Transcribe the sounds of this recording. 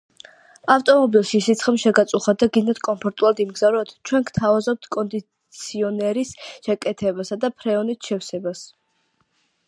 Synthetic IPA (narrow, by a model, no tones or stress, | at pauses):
aft̪ʼɔmɔbilˠʃisit̪sʰχɛmʃɛɡat̪sʼuχad̪aɡid̪nat̪ʰkʼɔmpʰɔɾt̪ʼulˠad̪imɡzavɾɔt̪ʰt͡ʃʰwɛnkʰt̪ʰavazɔp̚t̪ʰkʼɔnd̪i | t̪sʰiɔnɛɾisʃɛkʼɛt̪ʰɛbasad̪apʰɾɛɔnisʃʰɛfsɛbas